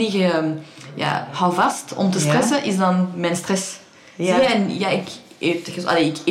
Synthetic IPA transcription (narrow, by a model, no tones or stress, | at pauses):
ɪɣəəmja̰ːhɑwvɑstɔ̰mtəstrɛsəʔɪzdɑnmɛnstrɛs | ziəɛnjaːɪk | eftəxəa̰leɪk